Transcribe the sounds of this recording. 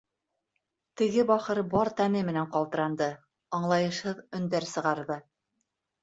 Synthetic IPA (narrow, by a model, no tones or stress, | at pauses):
t̪ɘ̆ɡɘbɑχɤɾbɑɾt̪ænɘmɘ̆næɴqɑlˠt̪ɤ̆ɾɑnd̪ɤ | ɑɴlˠɑjɤ̆ʃhɤðɵ̆nd̪æɾsɤ̆ʁɑɾðɤ